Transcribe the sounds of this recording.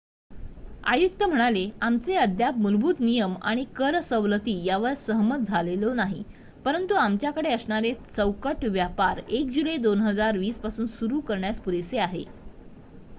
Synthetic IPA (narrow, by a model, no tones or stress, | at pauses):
a̰juk̚t̪əm̤əɽ̃aleamt͡seəd̪jap̚mulbuːd̪nijəma̰ɽ̃ikəɾsəʋlət̪iːjaʋəɾsəɦmət̪̚d͡zʱalelonaɦḭ | pəɾənt̪uamt͡ɕjakəɽeəsɳaɾet͡səwkəʈʋjapaɾek̚d͡ʑuləjd̪onɦəd͡zaɾʋiːspasuːnsuɾuːkəɾɳjaspuɾeseaɦḛ